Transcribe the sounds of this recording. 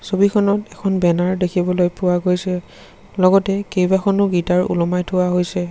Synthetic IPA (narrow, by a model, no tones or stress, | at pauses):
sobikʰɔnɔtɛkʰɔnbɛnaɹdekʰibɔlojpʊwaɡojsɛ | lɔɡɔtɛkejbakʰɔnʊɡitaɹṵlɔmajtʰʊaɦojsɛ